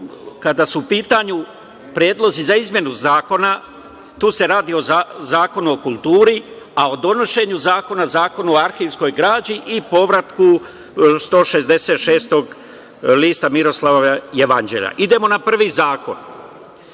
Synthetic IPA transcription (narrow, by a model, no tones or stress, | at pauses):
kad̪asuːpiːt̪aɲu | pɾjeːd̪lˠo̞zizaizmje̞nuzaːko̞na | t̪uːse̞ɾaːd̪io̞azaːko̞nuo̞kulˠt̪uːɾi | ao̞d̪o̞no̞ʃe̞ɲuzaːko̞nazaːko̞nuoaɾxilsko̞jɡɾaːd͡ʑiʔipo̞ʋɾat̪ku | st̪o̞ːʃe̞zd̪e̞set̪ʃe̞ːst̪o̞ɡ | liːst̪amiɾo̞slˠaʋoajeʋand͡ʒe̞̰ːʎa̰ʔid̪e̞mo̞napr̩ʋizaːko̞̰n